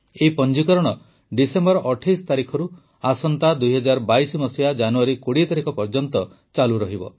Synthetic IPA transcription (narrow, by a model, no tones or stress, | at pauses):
eipɔnd͡ʒikɔɾɔɽ̃ɔ | ɖisembɔɾɔʔɔʈʰajst̪aɾikʰɔɾu | asɔnt̪ad̪ujɦɔd͡ʒaɾbajsɔmɔsijad͡ʒanuaɾikoɽit̪aɾikʰɔpɔɾd͡ʒɔnt̪ɔ | t͡ʃaluɾɔɦibɔ̰